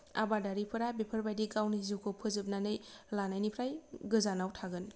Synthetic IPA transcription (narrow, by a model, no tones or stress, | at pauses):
a̰badaɾipʰɯɾabepʰəɾbajdiɡawnizukʰopʰɯzɯp̚nanɯjlanajnipʰɾajɡɯzanawtʰaɡɯn